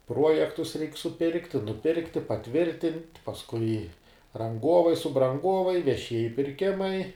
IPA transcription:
ˈpruɔjɛktʊs ˈrʲɛɪkʲ sʊˈpʲɪrktʲɪ nʊˈpʲɪrktʲɪ pɐˈtʲʋʲɪrʲtʲɪnʲtʲ pɐsˈkʊɪ rɐŋˈɡoːʋɐɪ sʊbrɐŋˈɡoːʋɐɪ ʋʲɛˈʃʲiɛjɪ pʲɪrʲˈkʲɪmɐɪ

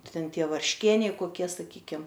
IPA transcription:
ˈtʲɛn ˈtʲiɛ ʋɐrʲʃʲˈkʲiɛnʲɛɪ koːˈkʲiɛ sɐˈkʲiːkʲɪm

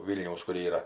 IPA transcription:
ˈʋʲiːlʲnʲɛʊs kʊr ˈiːrɐ

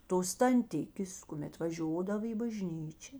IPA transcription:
toːs tɐnʲˈtʲɪkʲeːs kʊˈmʲɛt ʋɐˈʒʲoːdɐʋɐ iː bɐˈʒʲnʲiːt͡ʃʲɛ

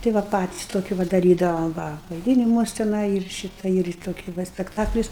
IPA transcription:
tɐɪ ˈʋɐ ˈpɑːtʲɪs ˈtoːkʲʊ ʋɐ dɐˈrʲiːdɐʋoːm ˈʋɐ ʋɐɪˈdʲiːnʲɪmuɔs tʲɛˈnɐɪ ɪr ˈʃʲiːtɐ ɪr ɪ ˈtoːkʲɪ ˈʋɐ sʲpʲɛkˈtɑːklʲʊs

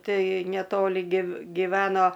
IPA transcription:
ˈtɐɪ nʲɛˈtoːlʲɪ ɡʲɪw ɡʲɪˈʋʲæːnoː

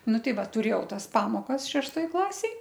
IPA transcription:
ˈnʊ ˈtʲɛɪ ˈʋɐ tʊˈrʲeːjɛʊ ˈtɐs ˈpɑːmoːkɐs ʃʲɛʃˈtoːj ˈklˠɑːsʲeːj

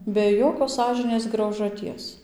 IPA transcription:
bʲɛ ˈjoːkʲoːs ˈsɑːʒʲɪnʲeːs ɡrɐʊʒɐˈtʲiɛs

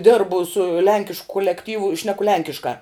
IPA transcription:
ˈdʲɪrbʊ sʊ ˈlʲɛŋʲkʲɪʃk kʊlʲɛkˈtʲiːʋʊ ɪ ˈʃʲnʲæːkʊ ˈlʲɛŋʲkʲɪʃkɑː

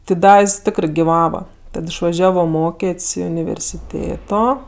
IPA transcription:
tʲɪ ˈdɐ jɪs ˈtʲɪkrɜ ɡʲɪˈʋɑːʋɐ ˈtɐt ɪʃʋɐˈʒʲæːʋoː ˈmoːkʲeːtʲsʲ ɪ ʊnʲɪʋʲɛrʲsʲɪˈtʲeːtoː

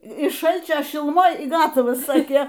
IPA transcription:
ɪʃ ˈʃɐlʲt͡ʃʲoː ʃʲɪlˠʊˈmoːj iː ˈɡɑːtɐʋɐs ˈsɑːkʲeː

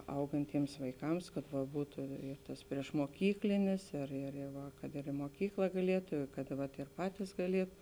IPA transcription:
ˈɐʊɡɐnʲtʲiɛms ʋɐɪˈkɐms kɐt ʋɐ ˈbuːtʊ ɪr tɐs pʲrʲiɛʃmuɔˈkʲiːklʲɪnʲɪs ɪr ɪr ɪ ˈʋɐ kɐt ɪr ɪ muɔˈkʲiːklˠɐ ɡɐˈlʲiɛtʊ ɪ kɐt ʋɐt ɪr ˈpɑːtʲiːs ɡɐˈlʲiɛtʊ

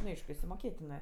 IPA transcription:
nʊ ˈɐɪʃkʊ ɪʃʲsʲɪmoːˈkʲeːtʲɪnɜ

